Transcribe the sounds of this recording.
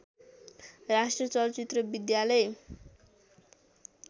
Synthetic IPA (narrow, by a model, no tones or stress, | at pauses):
rasʈrʌt͡sʌlt͡sit̪rʌbid̪jalʌj